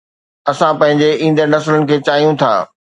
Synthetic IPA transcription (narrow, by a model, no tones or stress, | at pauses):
ɐsãpɐ̃ɦɪ̃ɲd͡ʑeĩːn̆d̪əɾnɐslənɪ̆kʰeːt͡ɕaːɦijũt̪ʰa̰ː